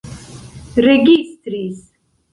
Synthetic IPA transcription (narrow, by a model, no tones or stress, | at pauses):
ɾɛɡist̪ɾiz